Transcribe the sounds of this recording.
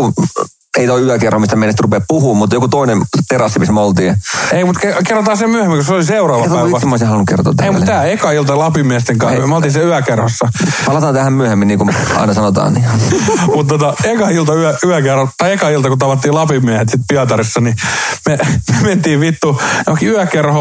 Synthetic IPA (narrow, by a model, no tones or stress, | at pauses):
eit̪oiyækerhomist̪æmeˑinest̪rupeppuhuːmmut̪jokut̪oinemt̪eɾɑsːimismøolt̪iːeimut̪kekerːot̪ɑːsemyøhemːiŋkoseoliseurɑːʋʋɑʋsmoˑisehɑlnukert̪o̰ːt̪ːæeimut̪ːæːekɑilt̪ɑlɑpimiæst̪eŋkɑ̰ːmolt̪iːnseyækerhosːɑpɑlɑt̪ɑːnt̪æhæmmyøhemːiniːŋkumɑ̰inɑsɑnot̪ɑ̰ːnni | mut̪t̪ot̪ɑekɑilt̪ɑyæyækerhot̪ɑiekɑilt̪ɑkut̪ɑʋɑt̪ːiːlɑpimiæhet̪sit̪̚piɑt̪ɑrisːɑnimemyement̪iːʋʋit̪ːujokiyækerho